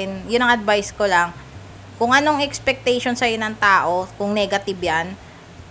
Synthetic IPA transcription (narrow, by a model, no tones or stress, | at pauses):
ɪnjʊnɐŋʔɐd̪̚vajskolaŋ | kʊŋʔɐno̞ŋʔɛkspɛk̚t̪ɛjʃo̞nsɐjonɐŋt̪aːʔo̞kʊŋnɛːɡɐt̪ɪbjan